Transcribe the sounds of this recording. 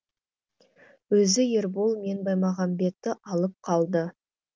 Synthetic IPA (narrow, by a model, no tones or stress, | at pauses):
wɵzɪje̞ɾbolˠme̞nbɑjmɑʁɑnbe̞t̪ːɪʔɑlˠəp̚qʰɑlˠd̪ə